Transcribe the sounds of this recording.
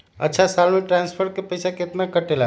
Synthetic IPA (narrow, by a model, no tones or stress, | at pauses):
ə̰tːt͡ʃʰasalmeʈɾanspʰəɾkepəjsaket̪nakəʈela